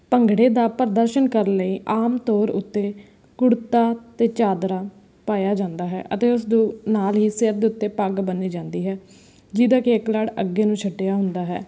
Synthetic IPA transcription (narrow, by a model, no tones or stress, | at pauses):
pəŋɡɽeːd̪aːpəɾd̪əɾʃənkəɾləiːʔaːmt̪ɔːɾʊ̰t̪ːeː | kʊɽt̪aːt̪eːt͡ʃaːd̪ɾaː | paːjaːd͡ʒãːnd̪aːɦɛ̰ːʔət̪eːʊs̬d̪ũːnaːlɦiːsɪɾd̪eːʊt̪ːeːpaɡbənːiːd͡ʒãːnd̪iːɦɛː | d͡ʒiːd̪aːkeːklaːɽəɡːeːnũːt͡ʃʰəʈːejaːɦʊnd̪aːɦɛ̰ː